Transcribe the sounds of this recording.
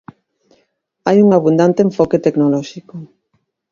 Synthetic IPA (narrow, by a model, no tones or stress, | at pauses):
ajuŋaβund̪ant̪eːɱfɔket̪eknolɔʃikʊ